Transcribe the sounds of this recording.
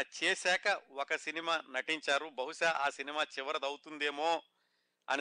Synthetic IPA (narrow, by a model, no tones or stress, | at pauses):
t͡ʃeːsɛːkɐɔkɐsinimaːnɐʈiɲt͡ʃaːɾubɐɦuʃaʔaːsinimaːt͡ʃiʋɐɾɐd̪ɐwut̪und̪eːmoː | ɐ̰n